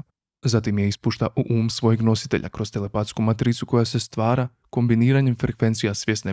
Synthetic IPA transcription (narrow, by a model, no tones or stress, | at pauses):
zat̪imjeispuːʃt̪aʔuʔuːmsʋo̞jeɡno̞si̥t̪e̞̰ʎʔa̰kɾo̞st̪e̞lepat̪skumat̪ɾit̪suko̞jase̞st̪ʋaːɾa | ko̞mbiniːɾaɲemfɾekʋe̞nt̪sijasʋje̞sne